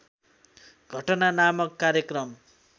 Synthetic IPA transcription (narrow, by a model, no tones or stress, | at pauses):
ɡ̥ʱʌʈʌnanamʌkːaɾjʌkrʌm